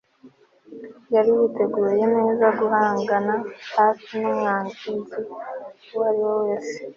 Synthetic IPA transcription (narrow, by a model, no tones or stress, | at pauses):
jaɾiwute̞ɡuːɾje̞neːzaɡuhaːŋɡanahaːfinomŋaːŋɡizi | wwaɾiwowe̞ːse̥